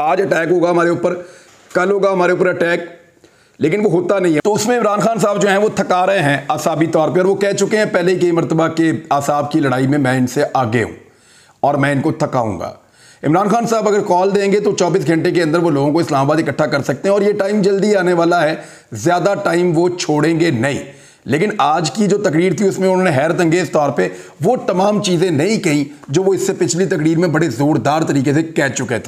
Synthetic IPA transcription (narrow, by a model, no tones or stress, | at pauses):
aːd͡ʒɐʈɛːkɦoːɡaɦɐmaːɾeʊːpəɾ | kɐlɦoːɡaɦɐmaːɾeuːpəɾɐʈɛːk̚ | leːkɪnʋoɦoːt̪anɐɦĩɛt̪oʊsmẽɪmɾaːnxaːns̬aːbd͡ʒoːɦɛ̃ʋot̪ʰɐkaːɾɐɦeɦɛ̃asaːbit̪ɔːɾpeɔːɾʋokɛɦt͡ʃʊkeɦɛ̃pɛɦleɦikɐimɐɾt̪əbakeaːsaːb̚kilɐɽaːimẽmɛ̃ːɪnseʔaːɡḛɦṵ̃ː | ɔːɾmɛ̃ɪnkot̪ʰɐka̰ːṵ̃ːŋɡa̰ː | ɪ̰mɾaːnxaːnsaːbɐɡəɾkɔːld̪ẽːŋɡet̪ot͡ʃɔːbiːsɡʱɐ̃ɳʈek̬eɐ̃nd̪əɾʋoloːɡõkoɪslaːmabaːd̪ɪkəʈʰːakɐɾsɐk̚t̪eɦɛ̃ɔːɾjeʈaːɪmd͡ʒɐld̪iaːneʋaːlaɦɛː | zjaːd̪aʈaːɪmʋot͡ʃʰoːɽẽːŋɡenɐɦḭ̃ː | leːkɪnaːd͡ʒkid͡ʒoːt̪ɐkɾiːɾt̪ʰiʊsmẽʊnɦõneɦɛːɾət̪ɐ̃ŋɡeːzt̪ɔːɾpeʋot̪ɐmaːmt͡ʃiːzẽnɐɦĩkɐɦĩd͡ʒoːʋoɪsːepɪt͡ʃʰlit̪ɐkɾiːɾmẽbɐɽezuːɾd̪aːɾt̪ɐɾiːkes̬ekɛːt͡ʃʊket̪ʰː